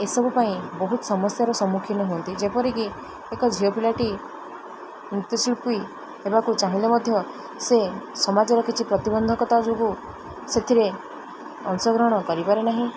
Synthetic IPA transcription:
esɔbupaĩbɔɦut̪ɔ̥sɔmɔsjaɾɔsɔmːukʰinɔɦuɔnt̪id͡ʒepɔɾiki | ekɔd͡ʒʱiopilaʈi | mit̪jɔsʰiɭpui | ebakut͡ʃaɦilemɔd̪ʱjɔ | sesɔmad͡ʒɔɾɔkit͡ʃʰipɾɔt̪ibɔnd̪ʱɔkɔt̪ad͡ʒuku | set̪ʰiɾe | ɔnsɔɡɾɔɦɽ̃ɔkɔɾipaɾenaɦĩ

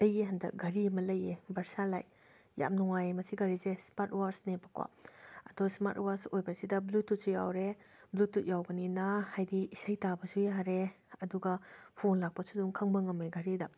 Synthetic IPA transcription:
ɐjeɦɐndɐk̚ɡɐɾimɐlɐjebɐɾsalaj | ja̰mnɔŋajemɐsʰiɡɐɾizesmaɾtwaɾsnepakwa̰ɐdɔsma̰ɾtwaɾsojbɐsidɐblutːut̚sujawɾeblutːut̚jawɡɐninahajdiisajtabɐsujaɾe | ɐduɡɐpʰonlak̚pɐsuduŋkʰaŋbɐŋɐmeɡaɾidɐ

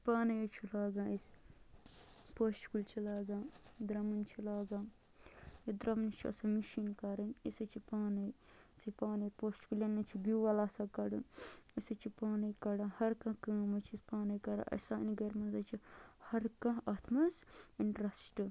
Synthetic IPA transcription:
paːnɐjɐt͡ʃʰilaːɡãːis | poːsʈkult͡ʃʰilaːɡãːd̪ɾɐmɐnt͡ʃʰilaːɡãː | jid̪ɾɐmnt͡ʃʰiɐ̰sɐmiʃiːnkɐɾɐnisɐt͡ʃʰipaːnɐj | sipaːnɐpoːskuljɐnɐt͡ʃʰiɡuʋɐlaːsakɐɽɨ̰isɐt͡ʃʰipaːnɐjkɐɽãːhɐɾkãːkɐːmɐt͡ʃʰispaːnɐjkɐɽã̰ʔɐ̰sa̰ːniɡɐɾmɐnzɐt͡ʃʰihɐɾkãɐt̪ʰmɐsɐnɾɐsʈɨ

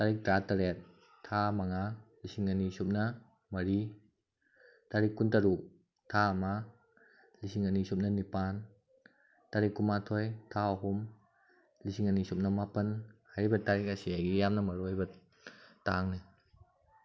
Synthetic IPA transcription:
taɾik̚tɾataɾet̚ʰː | amaŋalisiŋanisup̚nɐ | mɐɾi | taɾikːuntaɾu | tʰama | lisiŋanisup̚nɐnipan | taɾikːumatʰɔjtʰaɐɦum | lisiŋanisup̚nɐmapɐnhajɾibɐtaɾik̚asiajɡijamnɐmɐɾɔjbɐ | taŋni

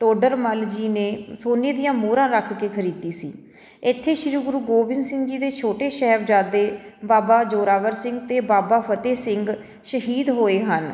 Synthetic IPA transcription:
ʈoːɖəɾməld͡ʒiːneːsoːneːd̪ɪjãːmuːɾãːɾəkʰːkeːkʰəɾiːd̪iːsḭː | ɪt̪ʰːeːʃɪɾuːɡʊɾuːɡoːbɪnsɪ̃ŋɡd͡ʒiːd̪eːt͡ʃʰoːʈeːʃɛɦʋd͡ʒaːd̪eːbaːbaːd͡ʒoːɾaːʋəɾsɪŋɡt̪eːbaːbaːpʰət̪eːsɪŋɡ | ʃəɦiːd̪ɦoːeːɦən

